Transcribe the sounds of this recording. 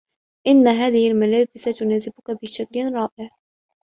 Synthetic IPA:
ʔɪnːaɦaːðɪhɪlmalaːbɪsat̪ʊnaːzɪbʊkabɪʃaklɾˤɑːʔɪʕ

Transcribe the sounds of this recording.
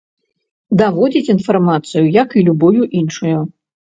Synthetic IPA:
d̪avɔd͡zʲit͡sʲinfarmat̪sɨjujɐkilʲubɔjuʔinʂuju

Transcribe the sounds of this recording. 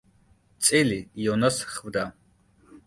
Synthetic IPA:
t͡sʼilijɔnasχvd̪a

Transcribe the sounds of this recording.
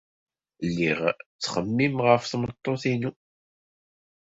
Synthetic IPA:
lːiʁt͡sːχəmːimʁəfθmət̪ˤːoθinu

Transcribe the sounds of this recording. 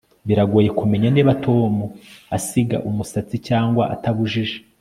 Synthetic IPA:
βiɾaɡoːje̞kume̞ɲaneːβatʰo̞ːmuasiɡa̰ʔumusat͡sicaːŋɡwa̰ʔataβuʒiʒe

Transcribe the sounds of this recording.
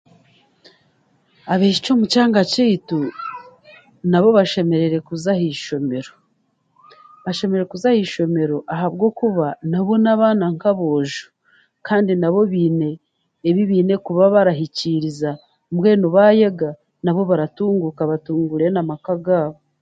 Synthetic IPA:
aβeːʃi̥t͡ʃo̞ːmucaːŋɡaciitu | naβo̞βaʃe̞me̞ɾe̞ɾe̞kuzahiʃome̞ɾo | βaʃe̞me̞ɾeɾekuzahiːʃo̞me̞ɾo̞ʔaɦaβɡo̞kuβanaβo̞naβaːnaŋkaβo̞ːʒu̥ | kaːndinaβo̞βiːne̞ː | βiβiːne̞kuβaβaɾaɦiciɾiza | mwe̞ːnoβajeɡa | naβo̞βaɾatuːŋɡukaβatuːŋɡuɾe̞namakaɡaːβo

